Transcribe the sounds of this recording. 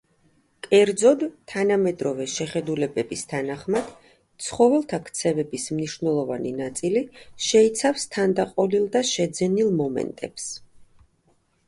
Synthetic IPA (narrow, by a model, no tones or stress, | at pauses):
kʼɛɾd̪zɔd̪t̪ʰanamɛd̪ɾɔvɛʃɛχɛd̪ulɛbɛbist̪ʰanaχmad̪̥ | t̪sʰχɔvɛlˠt̪ʰakʰt̪sʰɛvɛbismniʃvnɛlˠɔvaninat̪sʼiliʃɛit̪sʰafst̪ʰand̪aqʼɔlilˠd̪aʃɛd̪zɛnilˠmɔmɛ̰nt̪ʼɛ̰ps